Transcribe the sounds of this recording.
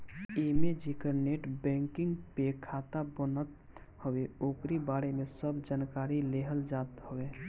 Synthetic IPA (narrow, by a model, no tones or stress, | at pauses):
emed͡ʒikəɾneʈbɛ̃ŋkɪŋɡpekʰat̪abənət̪̚ | həweoːkɾibaːɾemesəbd͡ʒankaːɾileɦəld͡ʒat̪həwe